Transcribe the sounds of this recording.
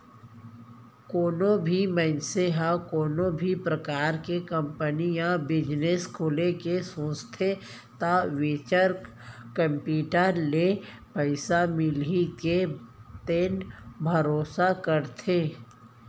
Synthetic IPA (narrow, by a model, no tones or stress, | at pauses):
koːnõbʱimənseɦakoːnõbʱipɾəkaːɾkekə̃mpənijãbɪd͡ʒneskʰoːlekesõːst̪ʰe | t̪aʋeːt͡ʃəɾ | kə̃mpjuːʈəɾle | pəɪsamɪliket̪eːnbʱəɾoːsakəɾt̪ʰeː